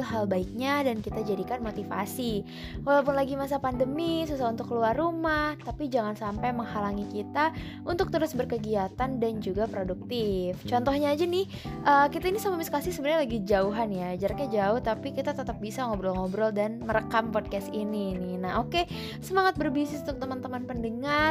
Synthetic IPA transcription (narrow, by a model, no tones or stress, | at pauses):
lɦalbaik̚ɲadankit̪ad͡ʒadikanmot̪ifa̰si | walawp̬ʊnlaɡimas̬apandəmisusahunt̪ʊkːəluarːumaht̪apid͡ʒaŋansampajməŋhalaŋikit̪a | unt̪ʊk̚t̪əɾʊsbərkəɡiat̪andand͡ʒuɡapɾoduk̚t̪ɪft͡ʃɔnt̪ɔhɲaːd͡ʒanɪh | ʔəkit̪ainisamamiskasɪhsəbənɲalaɡid͡ʒauɦanjad͡ʒaɾakɲad͡ʒaʊht̪apikit̪at̪ət̪əp̚bisaŋɔbɾɔlŋɔbɾɔldanməɾəkampɔd̚kɛst̪ininɪhnahɦoke | səmaŋat̪̚bərbisɪsunt̪ʊk̚t̪əmənt̪əmanpəndəŋar